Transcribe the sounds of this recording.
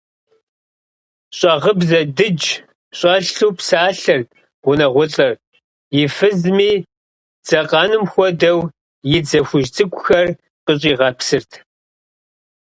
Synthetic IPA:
ɕʼɑʁəbzɐdɨd͡ʒ | ɕʼɑɬuːpsaːɬɐr | ʁʷʊnɐʁʷʊɬʼɐr | jɪfɨzmiː | d͡z̥ɐqʼɑːnɨmxʷɔdɐw | jɪd͡zɐxʷʊʒt͡sʼɨkʷʼʊxɐr | qʼəɕʼiːʁɑpsɨrtʰ

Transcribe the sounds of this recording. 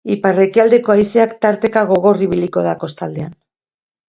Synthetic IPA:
ipare̞kiald̪e̞ko̞ajseakt̪aɾt̪e̞kaɣ̞o̞ɣo̞riβ̞iliko̞ðako̞st̪ald̪ean

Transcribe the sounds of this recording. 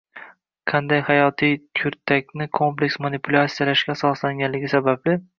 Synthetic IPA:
qʰɑnd̪ajhajɒt̪ʰijkʰʊɾt̪ʰːak̚ʲnɪkʰomple̞kʲsmanipʰʊlʲat̪sijalaʃkʲaːsɒslaŋɡʲanlɪɡʲɪsabablɪ

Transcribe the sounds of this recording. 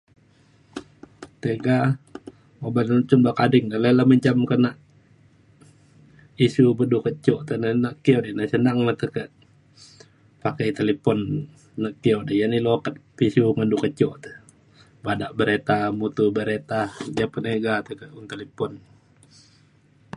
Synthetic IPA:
t̪eɡa | obant͡ʃumbakadɪŋdələlaməɲt͡ʃamkənaʔ | isubədukət͡ʃɔʔt̪ənənaʔkiodinəsənaŋləht̪əkəʔ | pakɛjt̪elipɔnː | aʔkiodijanilokət̪̚pisuŋədukət͡ʃɔʔt̪ə̥ | badaʔbəɾet̪amut̪ubəɾet̪ad͡ʒapəneɡat̪əkəunt̪elipɔn

